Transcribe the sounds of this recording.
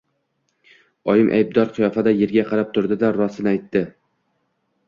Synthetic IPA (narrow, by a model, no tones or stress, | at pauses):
ɒjɪmʔa̰jb̚d̪ɒɾqʰɨjɒfad̪ajeɾɡʲaqʰɑɾap̚t̪ʰʊɾd̪ɪd̪aɾɒsɪnajt̪ːɪ